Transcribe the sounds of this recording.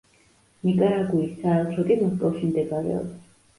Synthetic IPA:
nikʼaɾaɡuisaɛlˠt̪ʰɾɔkʼimɔskʼalˠʃimd̪ɛɡaɾɛ̰ɔ̰

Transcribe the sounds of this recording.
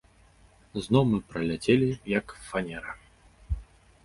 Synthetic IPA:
znɔwmɨpɾɐlʲat͡sʲelʲijɐkfanʲɛɾɐ

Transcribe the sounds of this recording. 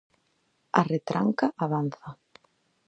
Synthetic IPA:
aret̪ɾʔaŋkaʔaβanθa

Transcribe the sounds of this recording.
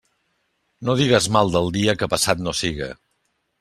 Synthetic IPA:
noðiɣ̞əzmalˠd̪əlˠd̪iəkəpəsat̪nosiɣə̰

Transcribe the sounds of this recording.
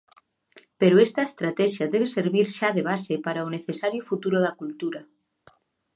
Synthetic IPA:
peɾoest̪aest̪ɾat̪ɛʃaðeβ̞eseɾβiɾʃaðeβ̞asepaɾaoneθesaɾjofut̪uɾoðakult̪uɾa

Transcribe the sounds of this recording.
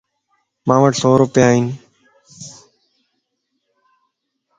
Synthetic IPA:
mãːʋəʈsoːɾʊpjaːɦĩːn

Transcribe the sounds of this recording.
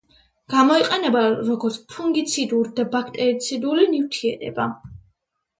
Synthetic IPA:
ɡ̥amɔiqʼɛnɛbaɾɔɡɔɾt̪sʰpʰuŋɡit̪sʰid̪uɾd̪abakʰt̪ʼɛɾit̪sʰid̪ulinift̪ʰiɛɾɛ̰ba

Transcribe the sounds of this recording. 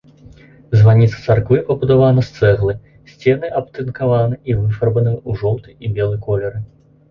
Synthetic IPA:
zvanʲit̪sɐ̥t̪sarkvɨpɐbud̪avanɐst̪sɛɣlˠɨ | sʲt͡sʲɛnɨʔɐp̚t̪ɨnkavanɨʔivɨfɐrbɐnɨuʐɔw̪t̪ɨibʲɛlˠɨkɔlʲɛɾɨ

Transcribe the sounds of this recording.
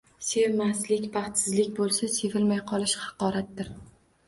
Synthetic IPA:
se̞vmaslɪkʲbɑχt̪sɪzlɪkʲbolˠsase̞vɪlmajqʰɒlˠɪʃhɑ̥qɒɾat̪̚d̪ɪɾ

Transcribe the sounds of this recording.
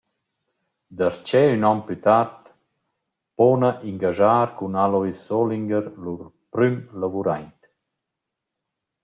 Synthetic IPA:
d̪aɾt͡ʃɛynɔmpyt̪aɾt̪ | pɔnaʔiŋɡaʒaːɾkunalɔisːɔliŋɡəɾluɾpɾymlavuɾajnt̪

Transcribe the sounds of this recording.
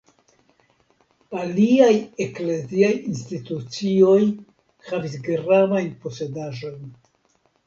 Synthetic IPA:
aliajekle̞ziajinstitut͡sio̞j | havisɡɾavajnpo̞se̞daʒo̞jn

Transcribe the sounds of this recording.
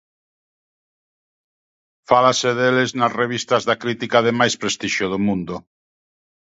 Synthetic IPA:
falaseðeleznasreβ̞ist̪azðakɾit̪ikaðemajspɾest̪iʃjoð̞omũnd̪o

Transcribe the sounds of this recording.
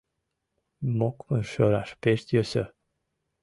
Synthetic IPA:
mokməʃøɾaʃpeʃt̪jøsə

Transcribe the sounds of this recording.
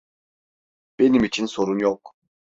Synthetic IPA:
b̥e̞nimit͡ʃʰinso̞ɾunjok

